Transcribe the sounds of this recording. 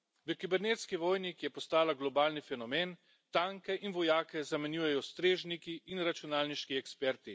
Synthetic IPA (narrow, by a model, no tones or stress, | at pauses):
ʋəkibɛɾnet̪skiʋɔːjnikjɛpɔst̪aːlaɡlɔbaːlnifɛnɔmeːn | t̪aŋkɛʔinʋɔjaːkɛzamɛnjuːjɛjɔst̪ɾeːʒnikiːnɾat͡ʃunaːlniʃkiɛkspɛɾt̪i